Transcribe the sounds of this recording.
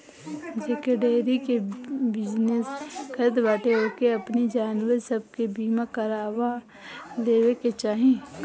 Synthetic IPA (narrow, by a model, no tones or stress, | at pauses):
sekeɖeːɾikebɪd͡ʒneskəɾd̪ʋaːʈeɦokeɐpnid͡ʒaːnwəɾsəb̚ʱkebiːmakɐɾaːwa | leːweket͡ʃaːɦẽː